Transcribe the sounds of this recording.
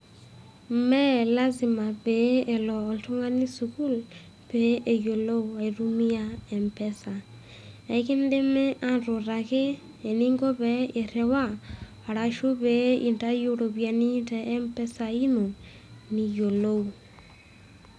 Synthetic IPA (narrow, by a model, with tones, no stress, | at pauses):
mɛ˦la˦zi˨ma˨be˨˦e˨lɔː˨lto˦ŋa˦ni˦su˨ku˦l | pe˨˦ʔe˨jo˨lo˦u˨a˨i˨ɾu˦mi˦ja˦ɛ˨mpɛ˦sa˨ | a˨i˦ki˦n˦de˦me˦ʔa˦nɾo˨ɾa˨keː˦˨ | ni˦ŋɡo˦βe˨˦e˨ɾe˨waː˦˨ | ɾa˨ʃo˦βe˨˦i˨nta˦jo˦ɾo˨βja˨ni˦ntɛ˨ʔɛ˦mpɛ˦sa˨i˦no˨ | ni˨jo˨lo˦u˨